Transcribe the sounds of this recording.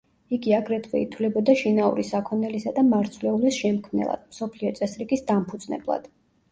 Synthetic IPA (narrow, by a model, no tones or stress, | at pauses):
iɡiaɡɾɛt̪ʰvɛ̰ḭt̪ʰwlɛbɔd̪aʃinaṵɾisakʰɔnɛlisad̪amaɾt̪sʰvlɛulisʃɛmkʰmnɛ̰lˠa̰d̪̥msɔpʰliɔt̪sʼɛsɾiɡisd̪ampʰud̪z̥nɛ̰blˠa̰d̪̥